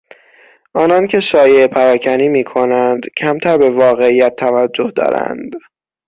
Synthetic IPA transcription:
ʔɒːnɒncʰe̞ʃɒːjepʰæɾɒːcʰæniːmiːkʰo̞nænd̪cʰæmt̪ʰæɾbe̞vɒːɣe̞iːjæt̪ʰːævæd͡ʒːohd̪ɒ̰ːɾæ̰nd̪

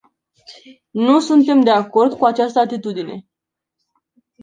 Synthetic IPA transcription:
nusunt̪e̞md̪e̞ako̞rd̪kuat͡ʃast̪əat̪it̪ud̪ine̞̰

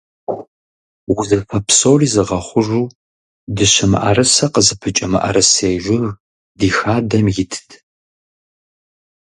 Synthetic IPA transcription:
wʊzɐfʰɐpʰsoːriːzɨʁɐχʷʊʒʷuː | dɨɕɐmɨ̰ʔɐ̰rɨsɐqəzɨpʰɨt͡ʃʼɐmɨ̰ʔɐ̰ɾɨseːʒʷʊr | diːxaːdɐmjɪtʰɨ̥tʰ

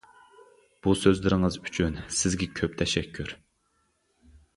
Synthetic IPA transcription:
b̥usøzlɪɾɪŋɨzyt͡ʃʰynsɪzɡʲɛkʲʰøp̚t̪ʰɛʃɛkʲʰːyɾ

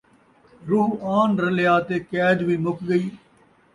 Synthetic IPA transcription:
ɾʊːaːnɾəlɪjaːt̪eːkɛːd̪ʋiːmʊkɡəiː

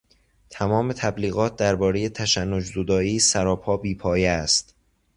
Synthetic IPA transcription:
t̪ʰæmɒːme̞t̪ʰæbliːɣɒːt̪̚d̪æɾbɒːɾe̞je̞t̪ʰæʃænːod͡ʒzod̪ɒːiːsæɾɒːpʰɒːbiːpʰɒːjeæst̪

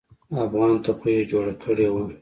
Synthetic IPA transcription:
afɣɑnt̪axied͡ʒoɽakʰəɽewa

